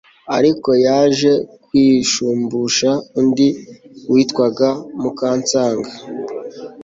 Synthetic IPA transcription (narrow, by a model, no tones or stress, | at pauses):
a̰ɾiko̞jaːʒe̞kwiːʃuːmbuʃaundiwiːtkwaɡamukaːnt͡saːŋɡa